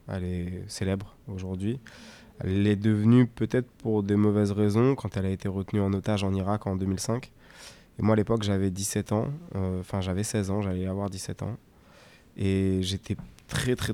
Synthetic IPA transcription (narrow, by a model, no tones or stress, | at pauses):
ɛ̰lɛselɛbʁoʒuʁd̪ɥi | ɛ̰lɛd̪əvnypøt̪ɛt̪χpuʁd̪emɔvɛzʁezɔ̃kɑ̃t̪ɛlaet̪eʁət̪nyɑ̃not̪aʒɑ̃niʁakɑ̃d̪ømilsɛ̃k | emwaːlepɔkʒavɛd̪isɛt̪ɑ̃øɑ̃fɛ̃ʒavɛsɛzɑ̃ʒalɛavwaʁd̪isɛt̪ɑ̰̃ | eʒet̪ʰɛt̪χɛt̪χɛ